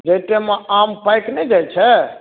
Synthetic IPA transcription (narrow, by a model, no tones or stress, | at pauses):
d͡ʒet̪emeampajknɛd͡ʒajt͡ʃʰɛ